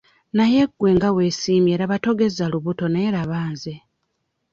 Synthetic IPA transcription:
naje̞ɡwe̞ːŋɡawe̞siːmje̞ːɾaβato̞ɡe̞zaluβuto̞neːɾaβaːnze

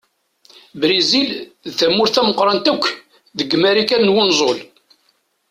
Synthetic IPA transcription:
bɾizilðθæmːʊɾθæməqɾˤɑnt̪ækʷː | ðəɡːmæɾikænnwʊnzˤol

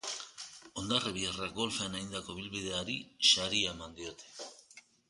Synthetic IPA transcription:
o̞nd̪areβiaraɡo̞lfeanajnd̪ako̞βilβið̞e̞aɾiʃaɾiaemand̪io̞t̪e̥

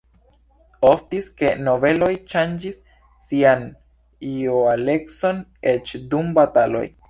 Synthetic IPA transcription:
oftiske̞no̞ve̞lo̞jʃand͡ʒisː | ian | ioale̞kso̞ne̞t͡ʃdumbatalo̞̰j

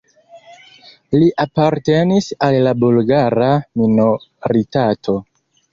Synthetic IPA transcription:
liʔapaɾte̞nisalːabulɡaɾaminoɾitatʰo̞

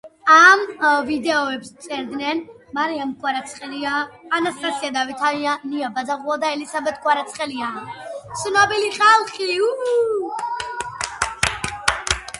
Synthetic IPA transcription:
amvid̪ɛɔɛbst̪sʼɛɾd̪nɛn | maɾiamkʰʼwaɾat̪sʰχɛliaːnast̪ʼasiad̪avit̪ʰaaniabazaʁuad̪aɛlisabɛt̪̚ʰkʰʼwaɾat̪sʰχɛliasnabiliχalˠχiu

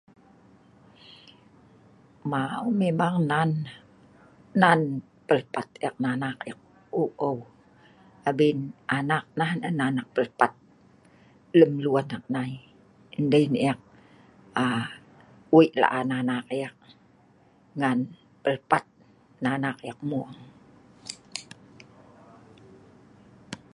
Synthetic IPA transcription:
maumemaŋnan | an | pəlpat̪̚jak̚nanakjak̚ | oʔow | abinʔanak̚nanənanak̚pəlpat̪̚ | ləmluanak̚nai | əndəjniak̚ | a | wiʔla̰ʔananakjak̚ | ŋan | pəlpat̪̚ | nanakjak̚muəŋ

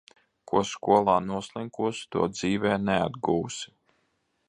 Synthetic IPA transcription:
kʰuɔskuɔlˠaːnuɔslˠiŋkuɔst̪ṵɔd̪ziːvɛːnɛa̰d̪ɡuːwsi̥

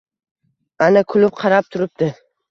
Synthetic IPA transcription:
anakʰʊlɪp̚qʰɑɾap̚t̪ʰʊɾɪp̚d̪ɪ

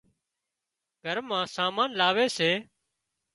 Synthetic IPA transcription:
ɡʱəɾmãːsaːmãːnlaːʋeːseː

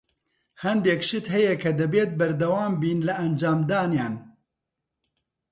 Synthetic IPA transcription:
hɐnd̪eːkʃɨt̪ɦɛjɛkʰɐd̪ɨbeːt̪̚bɐɾd̪ɐwaːmbiːnlɨʔɐnd͡ʒaːmd̪aːnjaːn

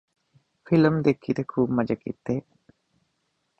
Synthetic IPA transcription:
fʰiləmd̪ekʰːid̪ekʰumɐd͡ʒəkḭt̪ːeː

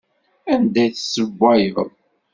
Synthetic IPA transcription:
ænd̪æjθsəɡʷːæjəʁð

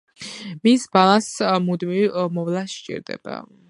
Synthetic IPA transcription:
misbalˠãsmud̪mivmɔvlasʃt͡ʃʼḭɾd̪ɛ̰b̥a̰

